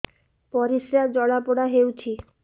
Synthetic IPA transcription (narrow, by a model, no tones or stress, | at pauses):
pɔɾisɾad͡ʑɔɽapoɽaɦewt͡ɕʰi